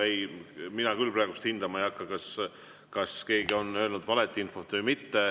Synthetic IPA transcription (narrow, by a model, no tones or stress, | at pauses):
ejminɑkylːpɾɑːɡust̪hind̪̥ɑmɑejɑkːɑkɑs | kɑske̞ːɡio̞nø̞ːlnud̪vɑlet̪ːˑiinfo̞t̪ːvɨjmit̪ːe̞